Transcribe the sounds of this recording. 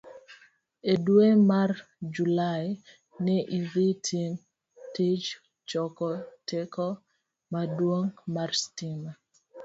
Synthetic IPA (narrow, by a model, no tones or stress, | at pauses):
edwemard͡ʒulaj | nɪʔiðitʰin | tid͡ʒ | t͡ʃɔkɔtekɔ | madwoŋmarstima